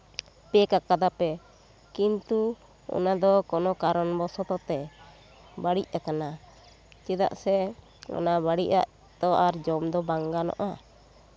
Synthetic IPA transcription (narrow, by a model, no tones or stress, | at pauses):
pɛkakad̪apɛ | kint̪u | ɔ̰nad̪ɔkɔnɔkaɾɔnbɔsɔt̪ɔt̪ɛ | baɽic̚akana | t͡ʃɛd̪a̰ʔsɛ | kɔ̰nabaɽiʔa̰ʔ | t̪ɔʔaɾd͡ʒɔmd̪ɔbaŋɡanɔ̰ʔa